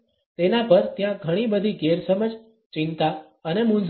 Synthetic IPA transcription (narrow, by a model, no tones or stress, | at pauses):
t̪enapəɾt̪jãɡʱəɽ̃ibəd̪ʱiɡeɾsəməd͡ʒ | t͡ʃɪnt̪a | ənemund͡ʒ